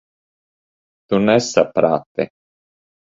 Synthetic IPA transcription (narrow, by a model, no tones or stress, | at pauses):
t̪unɛsːapɾa̰ːt̪ḛ